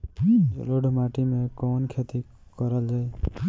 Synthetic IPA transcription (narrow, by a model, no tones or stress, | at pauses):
d͡ʒɔ̰loɖʱumaʈimekɔːnkʰet̪i | kɔɾəld͡ʒae